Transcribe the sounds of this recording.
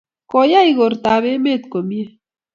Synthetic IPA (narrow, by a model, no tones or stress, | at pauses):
kojajɡoɾt̪aːβemet̪komje